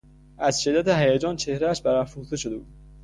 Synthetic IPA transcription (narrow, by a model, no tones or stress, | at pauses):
ʔæzʃe̞d̪ːæt̪ʰeɦæjæd͡ʒɒːnt͡ʃʰe̞hɾææʃbæɾæfuxt̪eʃod̪ebuːd̪̚